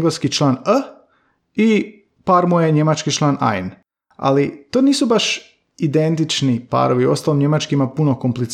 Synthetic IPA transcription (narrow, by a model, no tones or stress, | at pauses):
ɡleskit͡ʃlˠaːnə | i | paːɾmujeɲe̞mat͡ʃkit͡ʃlˠaːnʔa̰jn | a̰lit̪oːniːsubaʃ | id̪e̞nt̪it͡ʃnipa̰ːɾo̞ʋiuo̞̰st̪aːlimɲe̞mat͡ʃkimapunokomplit̪